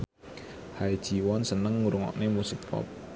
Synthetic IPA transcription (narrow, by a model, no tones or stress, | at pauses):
hai̥ʒ̥iwɔnsənəŋːuɾuŋɔ̰ʔnemusikpɔ̰p̚